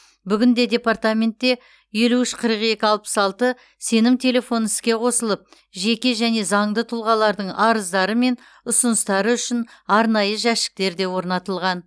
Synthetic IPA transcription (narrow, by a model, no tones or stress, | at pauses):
bʏɡʲɪnd̪e̞d̪ʲe̞part̪amʲe̞nt̪ːe̞ | je̞luʏʃqʰəɾəqe̞kʲɪɑlˠpə̥sɑlˠt̪ə | se̞nɪmt̪ʰe̞le̞fo̞nɪskʲe̞qʰo̞səlˠəp̚ | ʒe̞kʲe̞ʒæne̞zɑɴd̪ət̪ʰʊlˠʁɑlˠɑɾd̪əɴɑɾəzd̪ɑɾəme̞n | ʊsʊnəst̪ɑɾəʏʃɪnɑɾnɑjəʒæʃɪ̥k̚t̪e̞ɾd̪e̞wo̞ɾnɑt̪əlˠʁɑn